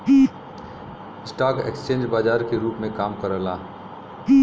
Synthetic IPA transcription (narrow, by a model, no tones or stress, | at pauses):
ɪsʈaːkḛkst͡ʃẽːɲd͡ʒbaːd͡ʒaːɾkeɾuːpmẽkaːmkəɾəlaː